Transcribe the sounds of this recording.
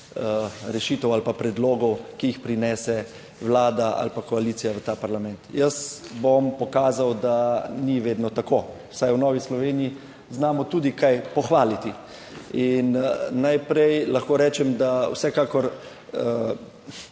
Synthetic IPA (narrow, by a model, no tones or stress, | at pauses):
əɾɛʃiːt̪ɛwalpapɾɛd̪loːɡɔwkiixpɾinɛːsɛ | wlaːd̪aa̰lpakɔaliːt̪sijaʋət̪aːpaɾlamɛnt̪jəsbompɔkaːzawd̪aniʋeːd̪nɔt̪akoː | wsajwnɔːʋislɔʋeːniji | znaːmɔt̪uːd̪ikajpɔxʋaːlit̪i | inːajpɾɛjlɐxkoːɾɛːt͡ʃɛmd̪aw̰sɛkaːkɔɾ | ə